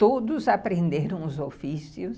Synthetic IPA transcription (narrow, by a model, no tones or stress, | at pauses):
t̪od̪ʊzapɾẽnd̪eɾɐ̃w̃ʊzofisiʊs